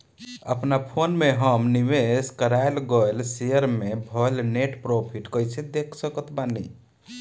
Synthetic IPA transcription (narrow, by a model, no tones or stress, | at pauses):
əpnapʰonmeɦəmniʋeskəɾaelɡəjlsejəɾmebʱɔlneʈpɾopʰiʈkəjsed̪ekʰsəkət̪ʰbanḭ